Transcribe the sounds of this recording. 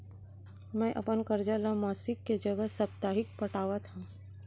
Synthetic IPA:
mɛ̃ːʔɐpənkɐɾd͡ʒalamaːsɪkːed͡ʒɐɡəɦsɐb̚t̪aːɦɪk̚pɐʈaːwat̪ʰã

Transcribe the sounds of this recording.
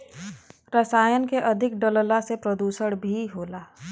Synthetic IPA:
ɾəsaːjənkeʔɐd̪ʱɪkɖələlasepɾəd̪uːsəɽbʱiɦoːlaː

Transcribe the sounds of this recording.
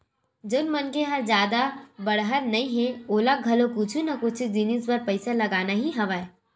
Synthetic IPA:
d͡ʒənmɐnkeɦɐɾd͡ʒjaːd̪abəɽɦəɾnɐĩɦẽoːlaɡʱɐlokut͡ʃʰunɐkʊt͡ʃʰid͡ʒinisbɐɾpɐɪsalɐɡaːnaɦiɦɐʋae

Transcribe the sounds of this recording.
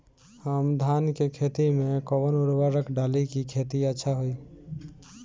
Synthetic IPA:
həmd̪ʱankekʰet̪imekɔbənuɾʋaɾəkɖalikikʰet̪iətːʃʰaɦoi

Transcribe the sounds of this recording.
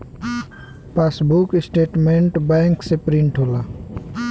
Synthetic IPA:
pasbukɪsʈeːʈmeɳʈbɛŋksepɾiɳʈʰɦola

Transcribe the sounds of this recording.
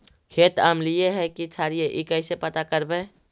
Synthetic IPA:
kʰet̪a̰mlijeɦɛkit͡ʃʰaɾijeʔikəɪsepət̪akəɾbẽ

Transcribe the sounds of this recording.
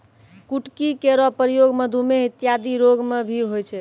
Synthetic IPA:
kuʈkikeɾɔpɾəjoɡməd̪ʱumeɦit̪jad̪iɾoɡmebʱiɦojt͡ʃʰɛ

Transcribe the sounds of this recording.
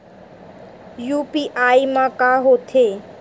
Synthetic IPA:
juːpiːʔaːimãkaːɦot̪ʰeː

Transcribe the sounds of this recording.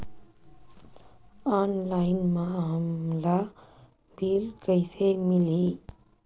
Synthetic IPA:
aːnlaɪnmamla | biːlkɐɪseːmɪli

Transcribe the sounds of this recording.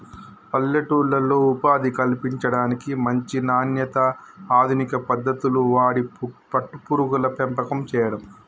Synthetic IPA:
pɐlːɐʈuːɭːɐlːoːupaːd̪ikɐlpiɲt͡ʃɐɽaːnikimɐɲt͡ʃinaːnjɐt̪ɐ | aːd̪ʱunikɐpɐd̪ːɐt̪uluʋaːɽipɐʈːupuɾuɡulɐpɛmpɐkɐmt͡ʃɛːjɐɽɐm

